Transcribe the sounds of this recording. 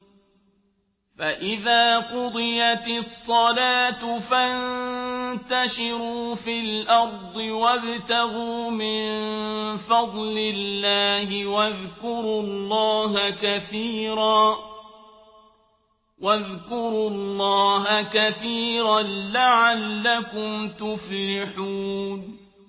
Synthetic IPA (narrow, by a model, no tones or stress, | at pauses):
faʔɪðaːqʊd̪ˤɨjat̪ɪsˤːɑlaːt̪ʊfannt̪aʃɪɾuːfilʔɑɾˤd̪ˤɨwabt̪aɣuːmɪnnfɑd̪ˤlɪlːaːhɪwaðkʊɾulːɑːɦakaθiːɾaː | waðkʊɾʊɑlˤːɑːɦakaθiːɾalaʕalːakʊmt̪ʊflɪħuːn